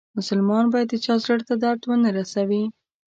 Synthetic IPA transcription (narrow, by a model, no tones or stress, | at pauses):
mʊsalmɑnbɑjad̪t͡ʃɑzləɽt̪ad̪aɾd̪wənaɾasawi